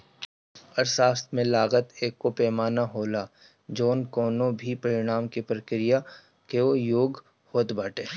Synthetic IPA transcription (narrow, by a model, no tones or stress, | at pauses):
ɐɾsaːst̪mẽlaːɣət̪eːkːopɛːmaːnaɦoːla | d͡ʒoːnkɔːnõbʱipɐɾɪɽ̃aːmkipɾəkɾɪja | keojoːɡ | hoːt̪baːʈeː